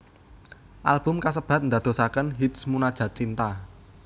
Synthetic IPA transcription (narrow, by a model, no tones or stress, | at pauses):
ʔa̰lb̥ʊ̤mkasəb̥ä̤t̪̚nd̪ä̤d̪̥o̤sakənɦit̪smunad̥ʒ̥ä̤t͡ʃint̪a